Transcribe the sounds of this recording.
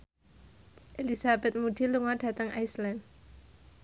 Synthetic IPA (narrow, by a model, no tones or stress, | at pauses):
ʔelisabɛt̪̚mud̥iluŋɔɖ̥ä̤t̪əŋajslɛn